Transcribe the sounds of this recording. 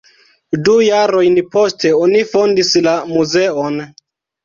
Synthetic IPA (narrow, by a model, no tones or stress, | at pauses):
dujaɾo̞jnpo̞ste̞onifo̞ndislamuze̞on